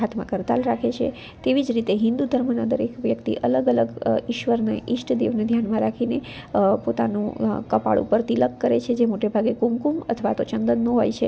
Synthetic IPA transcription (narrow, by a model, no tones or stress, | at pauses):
ɦat̪ʰmã̰kəɾt̪a̰lɾakʰet͡ʃʰḛ | t̪eʋid͡ʒɾit̪eɦɪnd̪ud̪ʱəɾmənad̪əɾekʰʋjəkt̪ḭʔələɡələɡiʃʋəɾna̰ʔiʃʈd̪eʋned̪ʱjanmãɾakʰine | pot̪a̰nṵ̃kəpa̰ɭṵpəɾt̪iləkːəɾḛt͡ʃʰed͡ʒemoʈebʱaɡekumkumə̰t̪ʰəʋa̰t̪ot͡ʃənd̪ənːõɦo̰jt͡ʃʰe